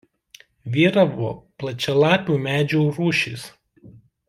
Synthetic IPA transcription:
ʋʲiːɾɐʋo̰ːplˠɐt͡ʃʲɛlˠɑːpʲuːmʲæːd͡ʒʲuuɾuːʃʲḭs

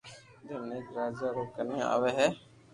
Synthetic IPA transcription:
d̪eneːd͡ʒɾaːd͡ʒaːɾoːkəneːa̰ːʋeːɦɛː

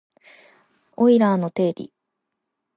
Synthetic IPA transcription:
oiɾaːno̞t̪e̞ːɾʲḭ

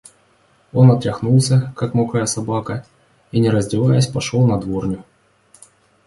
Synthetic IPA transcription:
o̞nɐt̪ɾʲɐxnulˠsʲəkakmokajəsɐbakə | inʲɪɾəzʲdʲɪvajəsʲpɐʂolˠnɐd̪vornʲʊ

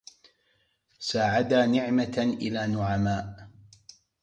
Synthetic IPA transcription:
saːʕad̪aːnɪʕmaʔɪ̰laːnʊʕamaːʔ

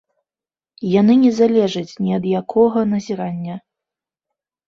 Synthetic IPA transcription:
janɨnʲɛzalʲɛʐɐt͡sʲnʲiɐd̪jakʰɔɣɐnɐzʲiɾanʲːɐ

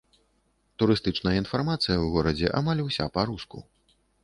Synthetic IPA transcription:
t̪uɾɨst̪ɨt͡ʂnɐjɐin̪farmat̪sɨjɐwɣɔɾɐd͡zʲɛʔa̰malʲuwsʲa̰paɾuskṵ

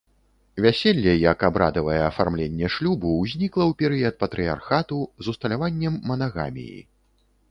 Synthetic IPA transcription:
vʲæsʲelʲːɛjɐkabɾa̰d̪ɐvɐjɛɐfarmlʲenʲːɛʂlʲubuːzʲnʲiklˠɐwpʲɛɾɨjɐt̪̚pɐt̪ɾɨja̰rxat̪uzust̪ɐlʲavanʲːɛmːɐnaɣa̰mʲḭjḭ

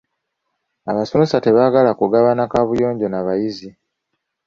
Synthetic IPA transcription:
aβasonosate̞βaɡalakuɡaβanakaβujo̞ːɲɟo̞naβajizi

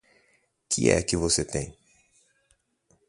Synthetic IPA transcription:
kɪɛ̰kɪvoset̪ẽj̃

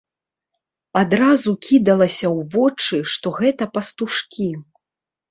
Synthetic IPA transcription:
ad̪ɾazukʲʰid̪ɐlˠɐsʲɐwvɔt͡ʂɨʂt̪ɔɣɛt̪ɐpɐst̪uʂkʲʰi

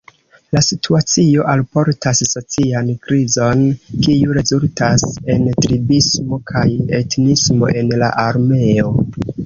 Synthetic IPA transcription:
lasitʰuat͡sio̞ʔalpo̞ɾtasːo̞t͡siankɾizo̞nkiuɾe̞zultase̞ntɾibismo̞kʰaje̞tnismo̞̰ʔe̞nla̰ʔaɾme̞o̞

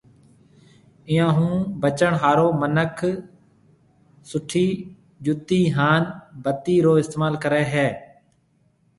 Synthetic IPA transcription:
ɪjãːɦũːbət͡ʃəɳɦaːɾoːmənəkʰ | sʊʈʰːiː | d͡ʒʊt̪iːɦaːnbət̪ːiːɾoːɪst̪eːmaːlkəɾɛːɦɛː

